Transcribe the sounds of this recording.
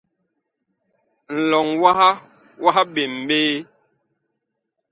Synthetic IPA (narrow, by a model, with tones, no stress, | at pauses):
n̩˨lɔ˨ŋwa˦ha˦ | wʔa˦ɦa˦be˨m̩˨beː˦